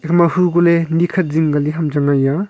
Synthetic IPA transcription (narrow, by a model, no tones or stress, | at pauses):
ekʰmahuɡolenikʰɐt̚ziŋɡaliɦamd͡ʒaŋaja